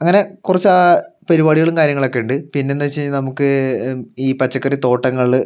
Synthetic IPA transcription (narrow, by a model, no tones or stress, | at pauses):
ɐŋːɐne̞kurɐt͡ɕːaːpɐɾibaːɽiɣɐɭumkaːɾjɐŋːɐɭo̞kːeuɳɖɨpinːeonːɐt͡ɕːeɲːnɐmukːɨ | iːpɐt͡ɕːɐkːɐrit̪o̞ːʈːɐŋːɐɭ